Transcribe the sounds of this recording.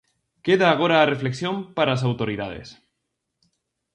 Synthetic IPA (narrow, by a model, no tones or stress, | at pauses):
keðaːɣ̞oɾaːre̞fle̞ksjompaɾaas̬awt̪oɾiða̰ð̞ḛs